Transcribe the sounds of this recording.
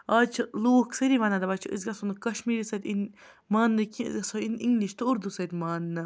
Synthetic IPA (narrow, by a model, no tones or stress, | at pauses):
aːt͡ʃʰloːksɐɾiʋaːnad̪ɐbɐt͡ʃʰiɨ̰zɡɐsonɨkɐʃmiːɾisɐt̪ʲin | maːnːɨkḭzɐsoiniŋɡliʃt̪ɨuɾd̪usɐt̪ʲmaːnːɨ